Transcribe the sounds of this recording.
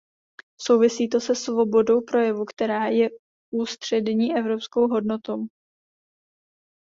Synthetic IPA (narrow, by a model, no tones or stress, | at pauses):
so̞wvɪsiːt̪o̞sɛsvo̞bo̞do̞wpɾo̞jɛvukt̪ɛɾaːjɛ | ʔuːst̪r̝̥ɛdɲiːʔɛvɾo̞psko̞wɦo̞dno̞t̪o̞w